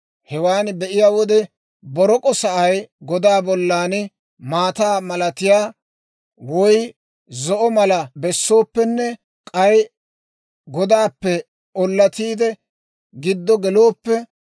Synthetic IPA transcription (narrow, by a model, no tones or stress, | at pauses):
hɛwaːnbɛʔɪjaːwɔd̪ɛ | bɔɾɔkʼɔsɐʔɐjɡɔd̪aːbɔlːaːn | maːt̪aːmɐlɐt̪ɪjaː | wɔj | zɔʔɔmɐlɐbɛsːo̞ːpːɛnːɛ | kʼɐj | ɡɔd̪aːpːɛ | ɔlːɐt̪iːd̪ɛ | ɡɪd̪ːɔɡɛlo̞ːpːɛ